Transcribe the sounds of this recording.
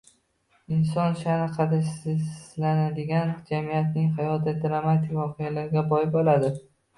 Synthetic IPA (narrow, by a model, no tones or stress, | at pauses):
ɪns̬ɒnʃanɪqʰɑd̪asɪzlanad̪ɪɡʲand͡ʒamijat̪nɪŋɦajɒt̪̚ːad̪ɾamat̪ʰɪkʲvɒqʰejalaɾɡʲabɒjɪbɒlad̪ɪ